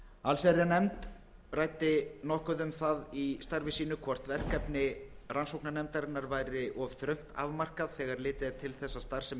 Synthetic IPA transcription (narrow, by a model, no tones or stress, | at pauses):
alsɛɾjanɛmt̪ | rajt̪ɪnɔhkʏðʏmθaðist̪aɾvɪsiːnʏkʰvɔr̥t̪vɛr̥kɛpnɪransowknanɛmt̪aɾɪnːaɾvajɾɪʔɔvθɾœɥm̥t̪a̰vmar̥kaðθɛːɣaɾlɪːt̪ɪðɛɾ̥t̪ʰɪlθɛsːast̪aɾ̥sɛ